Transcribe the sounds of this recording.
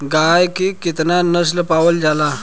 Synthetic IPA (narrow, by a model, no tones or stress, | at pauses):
ɡajkikit̪nanəs̬ləpaʋəld͡zala